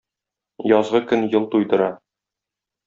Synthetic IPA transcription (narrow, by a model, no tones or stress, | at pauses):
jɒzʁɤkɵnjɤlˠt̪ujd̪ɤ̆ɾɑ